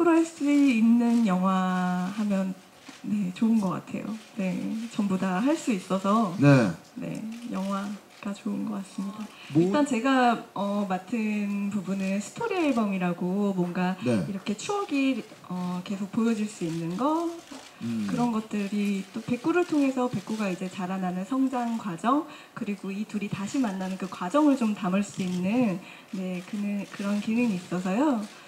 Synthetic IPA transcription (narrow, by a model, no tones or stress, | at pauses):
uɾaɭs͈uinːɯnjʌŋɦwahamjʌn | ne̞t͡ɕoɯnɡʌk͈a̰tʰe̞̰jo̰ne̞t͡ɕʌmbodaɦaɭs͈uis͈ʌsʰʌnene̞̰jʌŋɦwa | ɡ̥at͡ɕoɯnɡʌk͈as͈ɯmɲida | it͈ant͡ɕe̞ɡaʌmatʰɯnpubunɯnsʰɯ̥tʰoɾieɭbʌŋiɾaɡomwʌnɡaiɾʌkʰe̞t͡ɕʰuʌɡi | ʌke̞sʰok̚pojʌd͡ʑiɭs͈uinːɯnɡʌ | kɯɾʌnɡʌt̚t͈ɯɾit͈ope̞k͈uɾɯɭtʰoŋe̞sʰʌpe̞k͈uɡaid͡ʑe̞t͡ɕaɾananɯnsʰʌŋd͡ʑaŋkwad͡ʑʌŋ | kɯɾiɡoituɾitaɕʰimanːanɯnkɯkwad͡ʑʌŋɯɭt͡ɕomtamɯɭs͈uinːɯn | ne̞kɯnɯnkɯɾʌnkinɯŋiːs͈ʌsʰʌjo